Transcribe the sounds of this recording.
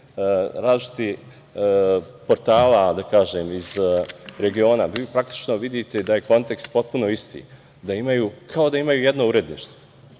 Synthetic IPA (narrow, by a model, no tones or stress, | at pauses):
ɾaːzliʃit̪i | po̞ɾt̪aːlad̪akaːʒeːmizɾe̞ɡio̞ːnaʋiːpɾakt̪i̥t͡ʃno̞ʋid̪it̪e̞d̪aje̞ko̞nt̪e̞kst̪̚po̞t̪̚puno̞ist̪ḭː | d̪aimajuːkʰao̞d̪aimajuːje̞d̪no̞uːɾe̞d̪nḭːʃt̪o